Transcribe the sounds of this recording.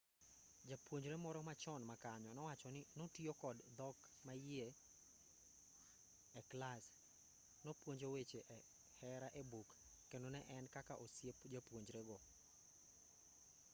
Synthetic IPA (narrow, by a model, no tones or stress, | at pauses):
d͡ʒapwoɲd͡ʒɾemɔɾɔmat͡ʃɔnmakaɲɔnɔwat͡ʃɔnɪnotiokɔdd̪ɔk | maje | ɛklas | nopwoɲd͡ʒowet͡ʃeʔɛ | hɛɾaʔebukː | enonɛʔɛnkakaʔosjepd͡ʒapwoɲd͡ʒɾeɡɔ